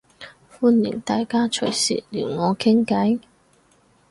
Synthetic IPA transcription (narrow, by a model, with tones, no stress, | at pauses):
fuː˥nlḭ˨˩nt̪aː˨jkaː˥t͡ʃʰɵ˨˩jsḭ˨t̚liː˨˩wŋɔː˨˧kʰɪ˥ŋkɐ˨˥j